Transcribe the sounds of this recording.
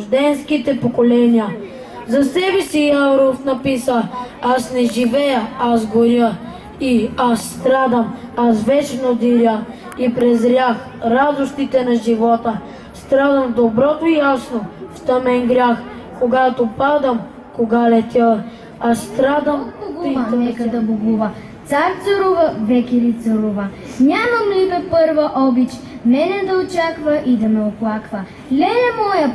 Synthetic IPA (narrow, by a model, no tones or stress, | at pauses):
ʒd̪ɛnskit̪ɛpokolɛnijə | zɐsɛbɛsiawɾofnɐpisəasnɛʒivɛjəazɡoɾʲə | iasːt̪ɾad̪əmasvɛt͡ʃnod̪iɾʲjə | ipɾɛzɾʲax | ɾad̪ost̪it̪ɛnɐʒivɔt̪ə | st̪ɾad̪əmvd̪obɾɔt̪oijasnoft̪ɐmɛnɡɾʲjax | koɡat̪opad̪əm | koɡalɛt̪ʲə | ast̪ɾad̪əmɡ̪ɛkd̪ɐboɡuvɐ | t̪saɾt̪səɾuvɐvɛkʲɛɾit̪sɐɾuvɐ | ɲʲamɐmlibɛpɤɾvɐʔɔbit͡ʃ | mɛnɛd̪ɐot͡ʃakvɐʔid̪ɐmɛoplˠakvə | lʲɛjɐmɔjɐ